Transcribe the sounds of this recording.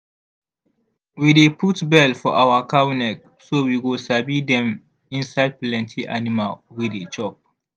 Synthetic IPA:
wideputbɛlfɔʔawakabinɛk̚ | sowiɡosabidɛ̃m | ĩnsaɪd̚plɛ̃ntʰiʔa̰nimalwidet͡ʃɔp̚

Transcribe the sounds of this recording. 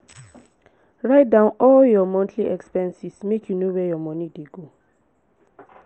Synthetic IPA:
ɹaɪjt̚dãʊ̃nɔljɔmɔ̃ntʰliʔɛkspɛ̃nsismekʰjunowɛjɔmɔ̃nideɡo

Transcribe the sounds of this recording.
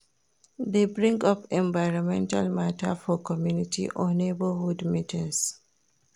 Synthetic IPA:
ðebɹĩŋɡʌpɛ̃ɱvaɪɹɔ̃mɛ̃nta̰lmatʰa̰fɔkʰɔmjunitḭʔɔ̃nebəhudmitĩŋs

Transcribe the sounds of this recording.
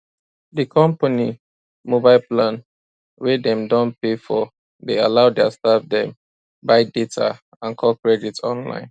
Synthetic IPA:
dəkʰɔ̃mpani | mobaɪlplãn | wedɛ̃mdɔ̃npefɔ | dealaʊdɛastafdɛ̃m | baɪdetʰa̰ | ãnkʰɔkɹɛditɔ̃nlã̰ɪ̃n

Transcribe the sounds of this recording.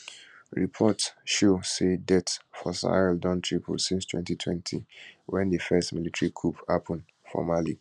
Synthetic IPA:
ɹipʰɔtʃosedɛtfɔsa̰ɛldɔ̃ntʰɹipʰo̰sĩnstʰwɛ̰̃ntitʰwɛ̃ntʰḭwɛ̃ndəfɛstmilitɹikʰupapʰɔ̃n | fɔ̰mali

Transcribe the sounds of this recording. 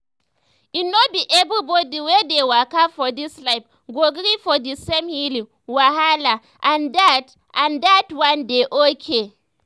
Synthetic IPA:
inobiʔɛbɹibɔdiwɛdewakafɔdislaɪf | ɡoɡɾifɔdisẽmhilĩŋ | waɦala | ʔãndat | ʔãndatwãndeʔokʰe

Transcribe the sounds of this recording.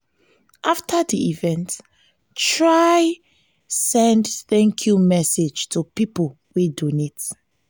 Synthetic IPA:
ʔaftʰadiivɛ̃nt | tɹaj | sɛ̃ndθɛ̃ŋkʰjumɛsed͡ʒtʰupipol | widonet

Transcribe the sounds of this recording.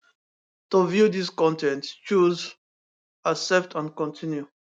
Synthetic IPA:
tuvjudiskɔ̃ntɛ̃ntt͡ʃuz | asɛp̚tʰãnkɔ̃ntʰĩnju

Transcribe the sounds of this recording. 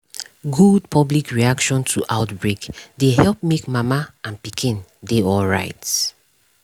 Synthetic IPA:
ɡud̚pʰɔblikɹiakʃɔ̃ntʰuʔaʊtbɹekdeɦɛlˠpmekmamaãnpikʰĩndeɔlɹa̰ɪt

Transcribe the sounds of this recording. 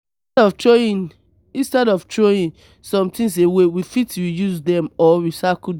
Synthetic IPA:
ɔftoĩn | ĩnstɛdɔftʰɹoĩn | sɔ̃mtĩns̬ewewifitɹijuzdɛ̃mɔwisak

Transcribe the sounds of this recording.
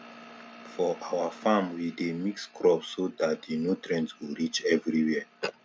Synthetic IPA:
fɔʔawafãmwidemikskɹɔpsodat̚dinutɹɛ̃ntwiɹit͡ʃɛvɹiwiə

